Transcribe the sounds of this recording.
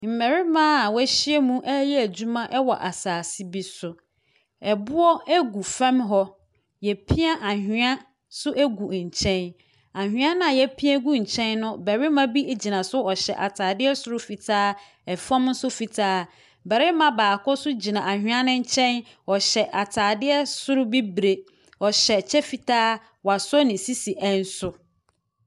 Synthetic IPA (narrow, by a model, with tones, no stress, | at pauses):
m̩˨mɛ˨ɾɪ˦mãː˦˨wæ˦ɕɪ˦ɛ˦mũ˦ʔɛ˦jɛ˦æ˨d͡ʑu˦mã˦ʔɛ˦wɔ˨ʔa˨saː˨sɪ˦bi˦sʊ˨ | ɛ˨bʊ˦ɔ˦æ˦ɡu˨fɛ̃˦mɦɔ˦ | jɛ˨pʰi˦a˦ʔa˨hᶣɪ̃˦a˦ | sʊ˦ʔæ˦ɡu˨ɲ̩˨t͡ɕʰɛ̃˦n | a˨hᶣɪ̃˨˦a˦nã˦a˨jɛ˦pʰi˦ɛ̃˦ɡu˦ɲ̩˨t͡ɕʰɛ̃˦nːʊ̃˦bɛ˨ɾɪ˦mã˦bi˦˨d͡ʑi˨nã˨sʊ˦ɔ˨ɕɛ̰˨ʔa˨tʰaː˨dɪ˦ɛ˦sʊ˦ɾʊ˦fi˨tʰaː˦ | ɛ˨fã˦mn̩˦sʊ˦fi˨tʰaː˦ | bɛ˨ɾɪ˦mã˦baː˨kʰɔ˦sʊ˦d͡ʑi˨nã˨a˨ɦᶣɪ̃˦a˦nʊ̃˦ɲ̩˦t͡ɕʰɛ̃˦n | ɔ˨ɕɛ˨ʔa˨tʰaː˨dɪ˦ɛ˦sʊ˦ɾʊ˦bi˦bɾe˨ | ɔ˨ɕɛ˨t͡ɕʰɛ˦fi˨tʰaː˦ | wa˨sɔ˦nɪ̃˨si˦si˨ʔɛ̃˦n̩˦sʊ˨